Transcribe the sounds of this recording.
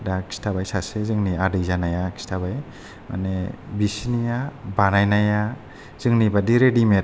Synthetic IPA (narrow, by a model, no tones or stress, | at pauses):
daki̥stʰabajsasezɯŋniadɯzanajaki̥stʰabaj | ma̰nebisinijabanajnaja | z̥ɯŋnibadiɾedimeɾ